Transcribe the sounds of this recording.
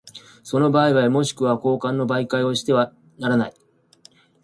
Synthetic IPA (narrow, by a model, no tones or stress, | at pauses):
so̞no̞baːiβaemo̞ɕi̥kɯ̟βako̞ːkãnːo̞baikaio̞ɕi̥t̪e̞βa | naɾanai